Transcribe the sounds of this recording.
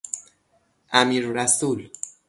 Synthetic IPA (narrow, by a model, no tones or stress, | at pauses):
amiɾɾasul